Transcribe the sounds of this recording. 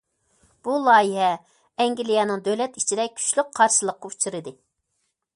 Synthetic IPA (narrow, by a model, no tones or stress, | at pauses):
b̥ulˠɑːjiɦɛ | ɛŋɡʲilijɛnɨŋd̪øwlɛt̪it͡ʃʰid̪ɛk̚ʲkʲʰy̥t͡ʃlyk̚qʰɑɾʃɨlˠəqːɑut͡ʃʰiɾɨd̪ɨ